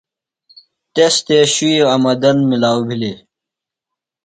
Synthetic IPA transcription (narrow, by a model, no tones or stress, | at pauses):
t̪est̪eɕuiɐmɐd̪ɐnmilaːwbʱili